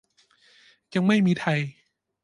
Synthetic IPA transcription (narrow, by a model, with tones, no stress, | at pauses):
ja˧ŋma˥˩jmiː˧t̪ʰa˧j